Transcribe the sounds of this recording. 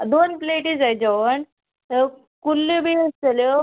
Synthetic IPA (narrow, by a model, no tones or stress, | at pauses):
d̪onpleʈid͡zajd͡ʑəʋəɳ | kulːibʱiəst͡səljo